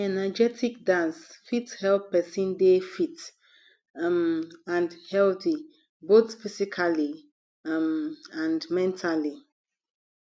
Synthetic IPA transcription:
ɛnad͡ʒɛtʰik̚dãnsfithɛlpɛsĩndefit | ãndhɛlθi | botfisikʰali | mãndmɛ̃ntʰali

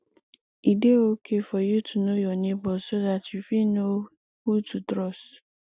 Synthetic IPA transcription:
ideokʰefɔjutʰunojɔnĩbɔsodatjufino | hututɾɔs

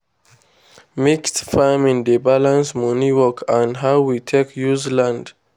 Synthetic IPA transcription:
mikstfãmĩndəbalãnsmɔniwɔkʰãnɦaʊwitʰekʰjuzlãnd

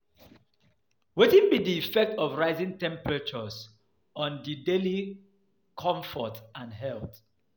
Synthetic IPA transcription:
wetĩnbidiːfɛk̚tɔvɹaɪzĩŋtɛ̃mpɹɛt͡ʃɔs | ɔ̃ndideli | kʰɔ̃ɱfɔtãnɦɛlθ

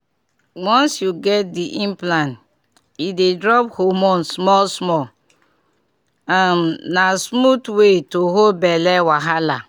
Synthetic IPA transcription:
wɔ̃nsjuɡɛt̚diʔĩmplãnt | idedɹɔphomɔ̃nsmɔlsmɔ | amnasmutwetoɦolbɛlɛwaɦala

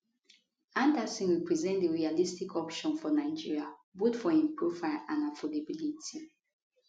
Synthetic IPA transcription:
ãndəsĩnɹipɹizɛ̃ntdeɹialistikʰɔpʃɔ̃nfɔnaɪd͡ʒiɹiabutfɔĩmpɹufaãnafolebilitʰi

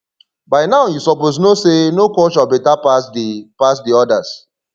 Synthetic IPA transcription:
baɪnaʊjusɔpos̬nosenokɔʃabɛtapasdipas̬diɔdas

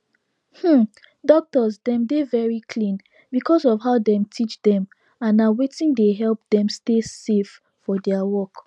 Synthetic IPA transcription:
hm̩ | dɔk̚təzdɛ̃mdevɛɹikʰlĩn | bikʰɔsɔvɦaʊdɛ̃mtʰit͡ʃdɛ̃m | ãnawetĩndeɦɛlˠp̚dɛ̃mstesef | fɔdɛəwɔk

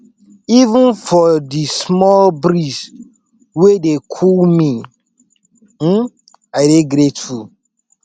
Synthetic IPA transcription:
ivə̃nfɔdismɔlbɾis | wedekʰulmi | m̩ | aɪdeɡɾetu

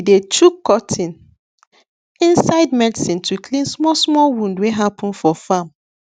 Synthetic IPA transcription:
detʰukːɔtʰĩn | ĩnsaɪdmɛdisĩntʰukʰlĩnsmɔsmɔlwũndweɦapʰɔ̃nfɔfãm

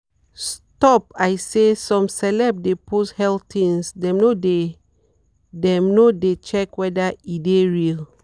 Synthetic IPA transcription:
stɔpajsesɔ̃msɛlɛb̚depʰoshɛltʰĩnsdɛ̃mnode | dɛ̃mnodet͡ʃɛkwɛdaideɹil

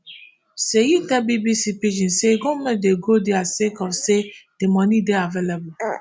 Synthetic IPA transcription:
sejidɛbibisipid͡ʒĩnseɡomɛ̃deɡodiasekɔfsed̥emɔ̃nideavelebu

